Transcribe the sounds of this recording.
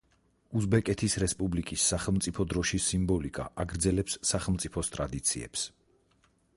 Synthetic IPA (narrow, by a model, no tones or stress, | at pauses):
uzbɛkʼɛt̪ʰisɾɛspʼublikʼisːaχɛlˠmt̪sʼipʰɔd̪ɾɔʃisimbɔlikʼa̰ʔaɡɾd̪zɛlɛpsːaχɛlˠmt̪sʼi̥pʰɔst̪ʼɾad̪it̪sʰḭɛ̰ps